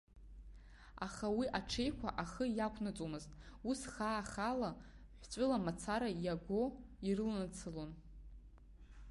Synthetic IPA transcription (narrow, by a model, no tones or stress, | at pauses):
a̰χawiʔaʈ͡ʂʰe̞jkʷʰaʔaχəjakʷʰnat͡sʼomɨztʼusχaːχala | ħʷt͡sʷʼʊlamat͡sʰaɾajaɡʷoirɨlnat͡sʰɨlon